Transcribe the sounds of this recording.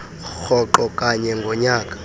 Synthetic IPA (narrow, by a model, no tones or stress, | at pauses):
xɔǃɔkʼaɲɛŋɡʱɔɲaːkʼḁ